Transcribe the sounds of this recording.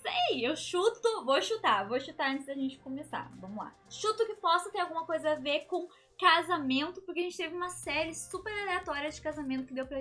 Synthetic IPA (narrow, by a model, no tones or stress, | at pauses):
sejewʃut̪ʊvoʃut̪avoʃut̪aɐ̃nt̪ɪzd̪ɐʒẽnt͡ʃɪ̥komesa̰vɐ̃mʊla̰ʃut̪ʊkɪpɔsɐt̪eɾawɡũmɐkojzɐaveɾkõ | kazamẽnt̪ʊpoɾkeʒẽnt͡ʃɪt̪evɪũmɐsɛɾɪsupeɾaleat̪ɔɾiɐd͡ʒɪkazamẽnt̪ʊkɪd̪ewpɾɐ